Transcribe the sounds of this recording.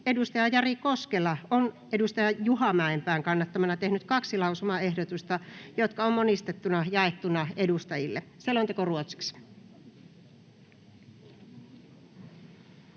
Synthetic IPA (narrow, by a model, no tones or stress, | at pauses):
edust̪ɑjɑjɑrikoskelɑon | edust̪ɑjɑjuhɑmæempæːŋkɑnːɑt̪ːɑmɑnɑt̪ehnyt̪kɑksilɑusumɑehdot̪ust̪ɑjot̪kɑommonist̪et̪ːunɑjɑet̪ːunɑedust̪ɑjilːeselont̪ekoruot̪si̥ks